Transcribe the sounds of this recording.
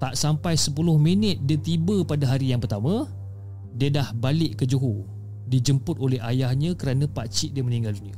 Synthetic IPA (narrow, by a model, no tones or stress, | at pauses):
t̪aʔsampajsəpulʊhminət̪̚diət̪ibəpadaɦaɾijaŋpərt̪amã | diədahbalɪʔkəd͡ʒuɦu | did͡ʒəmpʊt̪olɛɦajahɲə̃kəɾanãpat͡ʃiʔ̚diəmənĩŋɡalduniə